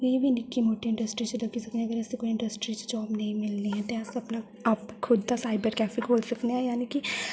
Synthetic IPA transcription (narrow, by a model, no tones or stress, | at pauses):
jebʱinɪkːimoːʈiɪ̃ɳɖəsʈɾit͡ʃlɐɡisɐknẽɐɡəɾɐsĩkoːiɪ̃ɳɖəsʈɾit͡ʃd͡ʒɔːbnɐɦĩmɪlniɦɛ̃t̪eɛsɐpna | aːpkʰʊd̪ːasaːɪbəɾʈɛːfʰɪkɦoːlsɐkneɦɛ̃jaːniki